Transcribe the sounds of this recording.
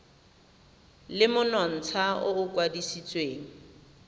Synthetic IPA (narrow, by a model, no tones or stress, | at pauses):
lɪmʊnɔn̩t͡sʰaʊʊkʼwadisit͡sʼweːŋ̩